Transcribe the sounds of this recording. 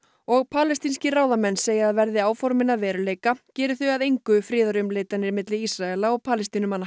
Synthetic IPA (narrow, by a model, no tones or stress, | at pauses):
ɔɣpʰaːlɛst̪inscɪraːwðamɛnːseːjɪaðvɛɾðɪaːwfɔɾmɪnaðvɛːɾʏleːjkacɛːɾʏθʏaðejŋkʏfɾɪːðaɾʏmleːjt̪anɪɾmɪt̪lɪisɾaɛlaɔɣpʰaːlɛst̪inʏmanːa